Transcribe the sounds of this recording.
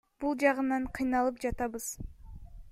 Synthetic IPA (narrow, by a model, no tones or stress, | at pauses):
b̥ulˠd͡ʒɑʁɯnɑɴqʰɨjnɑlˠɯp̚d͡ʒɑt̪ɑβɯz̥